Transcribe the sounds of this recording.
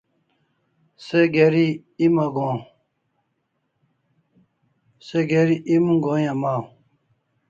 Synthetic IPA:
seɡeɾi | imɐɡõː | seɡeɾiʔimũɡoːjamaː

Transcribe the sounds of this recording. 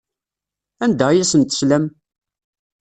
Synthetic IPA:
ænd̪æjæsənt̪ə̥slæm

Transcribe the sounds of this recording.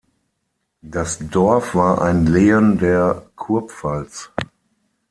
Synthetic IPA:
d̥asdɔɐfv̥aːɐʔa̰ɪnleːəndeːɐkʰʊɐpfalt͡s

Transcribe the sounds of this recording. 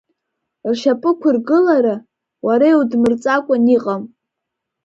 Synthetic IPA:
rʃapʼɨkʷʰʊrɡɨlaɾa | waɾaiwdmɨrt͡sʼakʷʼaniqʼam

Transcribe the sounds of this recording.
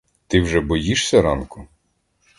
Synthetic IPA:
t̪ɪwʒɛbɔjiʃsʲɐɾɑnkʊ

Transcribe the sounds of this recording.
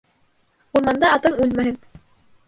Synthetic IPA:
uɾmɑnd̪ɑːt̪ɤɴʉlmæɦɘn

